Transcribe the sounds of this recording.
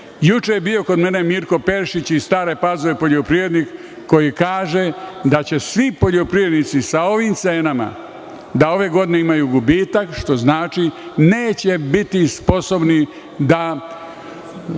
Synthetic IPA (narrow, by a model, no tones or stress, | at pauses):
jut͡ʃebijo̞kod̪me̞ne̞miɾko̞pe̞ɾʃit͡ɕist̪aːɾe̞pazoʋepo̞ʎo̞pɾiʋɾe̞d̪nikː | o̞jikaːʒe̞d̪at͡ɕe̞sʋipo̞ʎo̞pɾiʋɾe̞d̪nit̪sisao̞ʋimt̪se̞ːnama̰ | d̪ao̞ʋe̞ɡo̞d̪ineimajuɡubiːt̪akʃt̪o̞znaːt͡ʃineːt͡ɕe̞bit̪ispo̞so̞bni | d̪a